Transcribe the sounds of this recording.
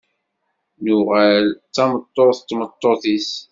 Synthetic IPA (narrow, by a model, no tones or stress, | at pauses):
nʊʁælt͡sːɑmət̪ˤːoθt̪ːmət̪ˤːoθis